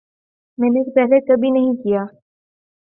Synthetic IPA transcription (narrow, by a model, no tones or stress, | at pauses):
mɛːneːkpɛɦlekəbʱinɐɦĩkijaː